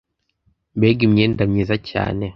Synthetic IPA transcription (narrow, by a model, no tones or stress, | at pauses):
beɡimɲeːndamɲizaca̰ːne